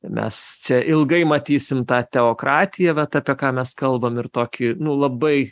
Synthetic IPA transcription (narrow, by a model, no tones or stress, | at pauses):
mʲɛ̰st͡ʃʲɛʔɪlˠɡɐɪmɐt̪ʲiːsʲɪmt̪ɑːt̪ʲɛoːkɾɑːt̪ʲɪjɛʋɐt̪ɑpʲiɛkɑːmʲɛskɐlˠbɐmɪrt̪oːkʲɪnʊlˠɐbɐɪ